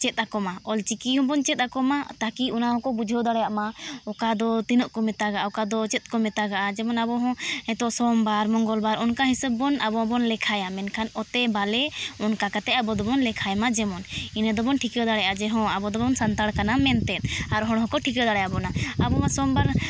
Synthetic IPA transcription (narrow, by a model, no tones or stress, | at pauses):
t͡ʃɛt̪̚akɔmaɔlt͡ʃikiɦɔ̃bɔnt͡ʃɛt̪̚akɔmat̪akiunaɦɔ̃kɔbud͡ʒʱɔd̪aɽɛjaʔmaɔkad̪ɔt̪inɔʔkɔmɛt̪aɡaʔaɔkad̪ɔt͡ʃɛt̪̚ˀkɔmɛt̪aɡaʔad͡ʒɛmɔnabɔɦɔ̃hɛt̪ɔʔsɔmbaɾmɔŋɡɔlbaɾɔnkaɦisəbːɔnʔabɔ̃bɔnlɛkʰajamɛnkʰanɔt̪ɛbalɛɔnkakat̪ɛabɔd̪ɔbɔnlɛkʰajmad͡ʒɛmɔninɛd̪ɔbɔnʈʰikɛd̪aɽɛjad͡ʒɛɦɔ̃abɔd̪ɔbɔnsant̪aɽkanamɛnt̪ɛt̪̚ˀaɾɦɔ̃ɽ̃ɦɔ̃kɔʈʰikɛd̪aɽɛjabɔnaabɔmasɔmbaɾ